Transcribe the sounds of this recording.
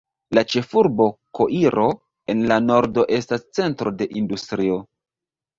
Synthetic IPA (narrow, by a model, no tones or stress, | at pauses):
lat͡ʃe̞fuɾbo̞ko̞ʔiɾo̞ | e̞nlano̞ɾdo̞ʔe̞stast͡se̞ntɾo̞de̞ʔindustɾio̞